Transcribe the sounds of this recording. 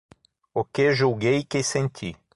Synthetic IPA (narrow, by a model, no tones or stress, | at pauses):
okeʒuɡejkɪsẽnt̪ʲʰi